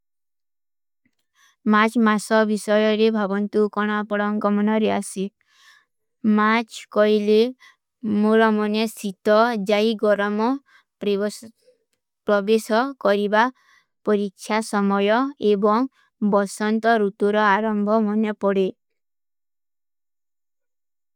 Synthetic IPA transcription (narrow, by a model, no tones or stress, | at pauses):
mat͡ʃmasɔbisɔjɔɾebʱabɔnt̪ukɔɽ̃apɔɽɔŋɡɔmɔnɔɾeasi | mat͡ʃkɔjle | moɾɔmɔnesit̪ɔd͡ʒaiɡɔɾɔmɔ | pɾɔbesɔkɔɾiba | pɔɾikt͡ʃʰasɔmɔjɔebɔŋ | bɔsɔnt̪ɔɾut̪uɾɔaɾɔmbʱɔmɔnepɔɽe